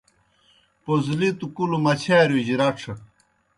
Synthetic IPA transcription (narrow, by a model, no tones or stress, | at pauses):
pozlit̪ukulumɐt͡ɕʰaːɾjud͡ʑiɾɐʈ͡ʂʰɐ